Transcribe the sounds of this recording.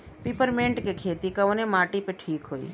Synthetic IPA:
piːpəɾmẽːɳʈkekʰeːt̪ikɐʋnemaːʈipeʈʰiːkɦoːḭː

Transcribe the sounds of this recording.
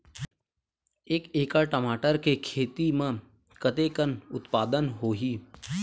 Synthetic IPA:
eːkeːkaʈəmaːʈəɾkekʰeːt̪imẽ | kət̪ekənʊt̪paːd̪ənɦoːɦiː

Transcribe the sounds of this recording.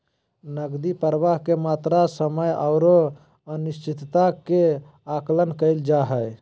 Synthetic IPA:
nəɡd̪ipəɾəʋaɦkemat̪ɾasəməjəʊɾo | ənist͡ʃit̪t̪ake | aklənkəɪld͡ʒaɦəj

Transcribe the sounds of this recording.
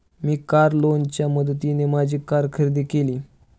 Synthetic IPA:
miːkaɾlont͡ɕjaməd̪ʱt̪inemad͡ʑʱiːkaɾkʰəɾd̪iːkeliː

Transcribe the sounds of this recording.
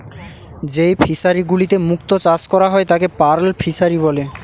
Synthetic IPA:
d͡ʑejpʰisaɾiɡulit̪emuk̚t̪ot͡ɕaskɔɾaɦɔet̪akepaɾlpʰisaɾiβɔle

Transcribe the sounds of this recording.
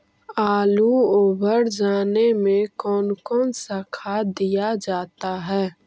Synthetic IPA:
aːluoːbʱəɾd͡ʒaːnemẽkɔːnkɔːnsakʰad̪ijad͡ʒaːt̪aɦɛː

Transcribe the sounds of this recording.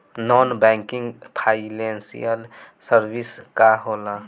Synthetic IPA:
nɔnbɛ̃ŋkĩŋɡpʰaɪnensḭjəl | səɾbiskaɦoːla

